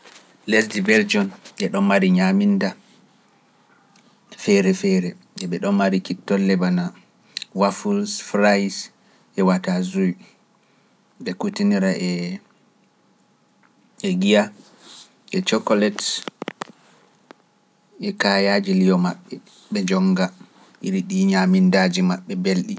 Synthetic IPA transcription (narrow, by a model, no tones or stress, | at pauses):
lɛsdibɛɾd͡ʒɔnɛɗɔmːaɾiɲaminda | fɛɾɛfɛɾɛ | ɛɓɛɗɔnːaɾikitːɔlːɛbana | wafulsfɾajs | ʔɛwatazuj | ɓɛkutiniɾaʔɛ | ɛɡija | ʔɛt͡ʃɔkɔlɛt | ɛkajad͡ʒilijɔmaɓːɛ | ɓɛd͡ʒɔŋɡa | ʔiɾiɗiɲamindaːd͡ʒimaɓːɛbelɗi